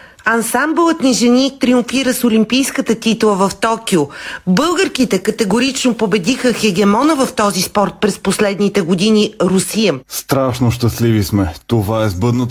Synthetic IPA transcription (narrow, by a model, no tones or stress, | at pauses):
ɐnsamblˠət̪niʒɛnʲit̪ɾiuɱfiɾəsolimpijskət̪ət̪it̪lˠəvɐft̪ɔkiobɤlˠɡəɾkit̪ɛkət̪ɛɡoɾit͡ʃnopobɛd̪ixəxɛɡ̟ɛmɔnəvɐft̪ɔzispɔɾt̪̚pɾɛsposlɛd̪nit̪ɛɡod̪iniɾusijəst̪ɾaʃnoʃt̪əslivismɛt̪ovaɛzbɤd̪not̪